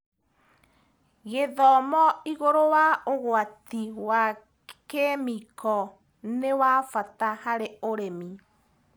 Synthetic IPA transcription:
ɣeðɔmɔiɣoɾowaoɣwatiwa | kemikɔ | newafatahaɾeoɾemi

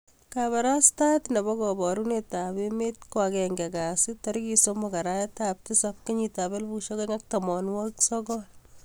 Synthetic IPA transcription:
kaβaɾastatnebɔkɔbɔɾunetabemet̚kwakɛŋɡɛkasɪtɔɾkisomɔkaɾajetap̚tɪsap̚keɲitabelbuʃokeŋak̚tamɔnwɔksɔkɔl

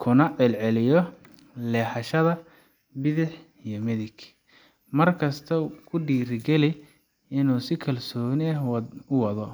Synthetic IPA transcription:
kʰʊnɐʕɛlʕɛlɪjɔ | lɛːħɐʃɐðɐ | bɪðɪħ | ijɔmɪðɪɡ | mɐrkʰɐst̪ʰɐkʰʊɖiːɾɪɡɛlɪ | ɪnuːsɪkʰɐlsɔːnɪɐhwʊwɐðɔ

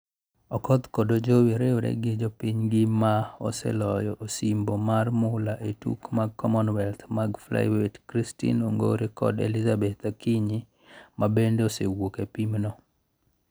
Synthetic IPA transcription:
ɔkɔd̪kodod͡ʒowiɾewɾɛ̰ɡɪd͡ʒɔpiɲɡɪmaɔ̰sɛ̰lɔjɔʔosimbomarmʊlaʔetṵkmaɡkːɔmɔnwɛlt̪maɡfla̰ɪwetkɾistḭnoŋɡo̰ɾekɔ̰dḛlizabet̪akiɲi | mabendeɔsewokepimnɔ

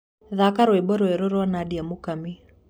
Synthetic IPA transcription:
ðakaɾɔɛbɔɾɔɛɾɔɾɔwanadiamukami

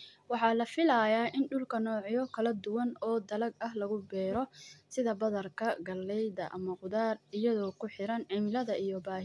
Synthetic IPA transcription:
wɑħɑːlɐfɪlɐjaːʔɪnɖʊlkʰɐnɔːʕɪjɔkʰɐlɐd̪ʊwɐnɔːd̪ɐlɐɡɐɦlɐɣʊbɛːɾɔsɪðɐbɐðɐrkʰɐɡɐlːɛjdɐʔɐmɐqʊðaːrɪjɐðɔːkʰʊħɪɾɐnʕɪmɪlɐðɐijɔbaːɦ

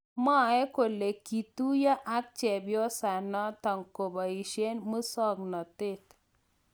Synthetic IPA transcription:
maɛkolekit̪ujaʔak̚t͡ɕɛbjɔsanɔt̪əŋkɔbəiɕenməsɔɡnət̪et̪

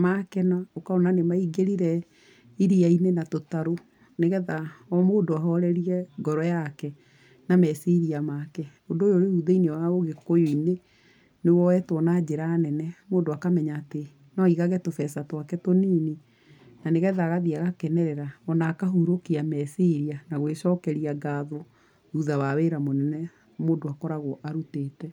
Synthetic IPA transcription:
makɛnaokaonanemaiɡeɾiɾɛ | iɾiainenatotaɾo | neɣɛðaɔmoːndoaɦɔɾɛɾiɛɡɔɾɔjakɛ | namɛseɾiamakɛ | ondoːjoɾeuðeineɔwaoɣekojoine | newɔɛtwɔnad͡ʑeɾanɛnɛmoːndoakamɛɲaːte | nɔiɣaɣɛtofɛsatwakɛtoniːni | naneɣɛðaɣaðiaɣakɛnɛɾɛɾaɔnaːkaɦuɾokiamɛseɾianaɣweʃɔkɛɾiaɡaðo | uðawaweɾamonɛnɛ | moːdoakɔɾaɣoʔaɾuteːtɛ

